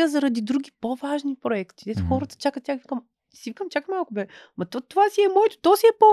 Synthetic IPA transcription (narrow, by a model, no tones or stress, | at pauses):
əzɐɾɐd̪id̪ɾuɡʲipovaʒnipɾoɛkt̪id̪ɛt̪oxɔɾət̪ə̥t͡ʃakət̪t̪ʲːjaxvi̥kəm | sivikəmt͡ʃakmalˠkʊbɛmɐt̪ɔt̪ovasiɛmɔɛt̪o̥t̪ɔsiɛpo